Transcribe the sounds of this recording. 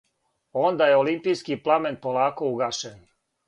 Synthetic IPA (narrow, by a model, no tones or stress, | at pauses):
o̞nd̪ajeolimpijskiplˠamenpolˠaːko̞uɡaːʃen